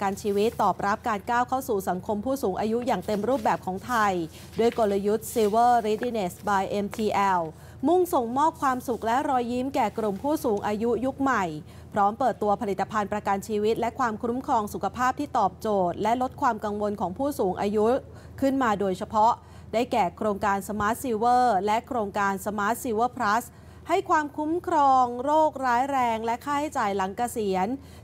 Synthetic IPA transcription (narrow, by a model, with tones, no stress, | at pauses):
kaː˧nt͡ɕʰiː˧wi˦˥t̪ːɔː˨˩p̚ɾa˦˥p̚kaː˧nkaː˥˩wkʰa˥˩wsuː˨˩sa˩˦ŋkʰo˧mpʰuː˥˩suː˩˦ŋʔaː˧ju˦˥jaː˨˩ŋt̪e˧mɾuː˥˩p̚bɛː˨˩p̚kʰɔː˩˦ŋt̪ʰa˧j | du˥˩əjko˧la˧ju˦˥t̪̚si˧wɤː˥˩ɾiː˦˥di˧ne˨˩sbaː˧jʔe˧mt̪ʰiː˧ʔɛː˧w | mu˥˩ŋso˨˩ŋmɔː˥˩p̚kʰwaː˧msu˨˩k̚lɛ˦˥ʔɾɔː˧jːi˦˥mkɛː˨˩kɾu˨˩mpʰuː˥˩suː˩˦ŋʔaː˧ju˦˥ju˦˥k̚ma˨˩j | pʰɾɔː˦˥mpɤː˨˩t̪ːu˧ɐpʰa˧li˨˩t̪ːa˧pʰa˧npɾa˧ka˧nt͡ɕʰiː˧wi˦˥t̪̚lɛ˦˥kʰwaː˧mkʰɾu˦˥mkʰɾɔː˧ŋsu˨˩kʰa˧pʰaː˥˩p̚t̪ʰiː˥˩t̪ɔː˨˩p̚t͡ɕoː˨˩t̪̚lɛ˦˥lo˦˥t̪̚kʰwaː˧mka˧ŋwo˧nkʰɔː˩˦ŋpʰuː˥˩suː˩˦ŋʔaː˧ju˦˥ | kʰɯ˥˩nmaː˧doː˧jt͡ɕʰa˧pʰɔ˦˥ʔ | daː˥˩jkɛː˨˩kʰɾoː˧ŋkaː˧nsa˧maː˦˥t̪̚si˧wɤː˥˩lɛ˦˥ʔkʰɾoː˧ŋkaː˧nsa˧maː˦˥t̪̚siː˧wɤː˥˩pʰɾa˦˥s | ha˥˩jkʰwaː˧mkʰu˦˥mkʰɾɔː˧ŋɾoː˥˩k̚ɾaː˦˥jɾɛː˧ŋlɛ˦˥kʰaː˥˩ha˥˩jt͡ɕaː˨˩jla˩˦ŋka˧si˨˩˦ən